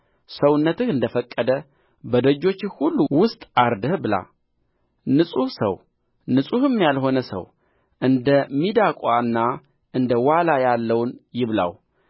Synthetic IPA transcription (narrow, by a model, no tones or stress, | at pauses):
səwʊnːət̪ɨhɨnd̪əfəkʼːəd̪ə | bəd̪əd͡ʒːo̞t͡ʃːɪhulːuwʊst̪ʼaɾd̪əhbɨla̰ | nɨsʼuhsə̰w | nɨsʼuhɨmːijalɦo̞nəsə̰w | ʔɨnd̪əmːid̪akʼwaɨnːa | ʔɨnd̪əwalajalːəwnjɪβla̰w